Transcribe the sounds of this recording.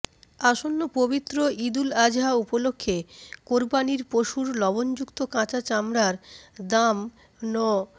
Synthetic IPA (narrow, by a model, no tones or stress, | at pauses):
aʃonːopobit̪ːɾoʔid̪ulad͡ʑɦaupolokʰːekoɾbaniɾpoʃuɾlɔbond͡ʑukt̪okãt͡ɕat͡ɕamɾaɾd̪am | nɔ